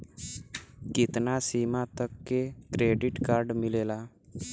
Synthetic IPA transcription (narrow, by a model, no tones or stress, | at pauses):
kɪt̪nasiːmat̪əkːekɾeːɖɪʈkaːɾɖmɪleːlaː